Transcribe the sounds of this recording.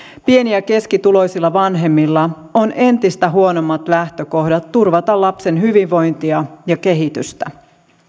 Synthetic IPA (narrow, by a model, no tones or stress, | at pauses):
pieniæke̞skit̪ulo̞jsilːɑʋɑnɦe̞mːilːɑ | o̞nʔe̞nt̪ist̪æɦuono̞mːɑt̪læht̪ø̞ko̞hdɑt̪ːurʋɑt̪ɑlɑpse̞nɦyʋiʋʋo̞jnt̪iɑjɑke̞ɦit̪yst̪æ